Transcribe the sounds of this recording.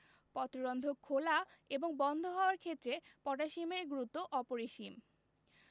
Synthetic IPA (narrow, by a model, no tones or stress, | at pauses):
pɔt̪oɾond̪ʱokʰːolaeboŋbɔnd̪ʱoɦɔoaɾkʰet̪ːɾepɔʈaʃimeɡɾut̪oʔɔpoɾeʃim